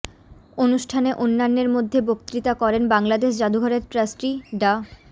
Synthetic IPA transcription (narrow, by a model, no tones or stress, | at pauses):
onuʃʈʰaneʔonːanːeɾmod̪ʱːebokt̪ɾit̪akɔɾenbaŋlad̪eʃd͡ʑad̪uɡʱɔɾeɾʈɾasʈɾiɖa